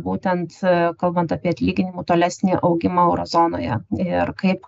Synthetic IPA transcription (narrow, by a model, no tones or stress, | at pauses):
buːt̪ʲɛnt̪kɐlˠbɐnt̪ɑːpʲiɛɐt̪ʲlʲiːɡʲɪnʲɪmuːt̪oːlʲæːsʲnʲiʔɐʊɡʲɪmɐɛʊɾo̰ːzoːno̰ːjɛ̰ɪɪɾkɐɪp